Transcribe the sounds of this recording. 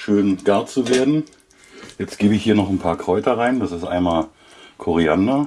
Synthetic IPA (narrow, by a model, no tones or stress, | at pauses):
ʃøːnɡ̥aɐt͡suveːɐdn̩ | jɛt͡stɡ̥eːbəɪçhiːɐnɔχn̩pʰaːɐkʁ̥ɔʏtɐʁaɪndasɪstʔa̰ɪnmaːl | kʰɔʁiandɐ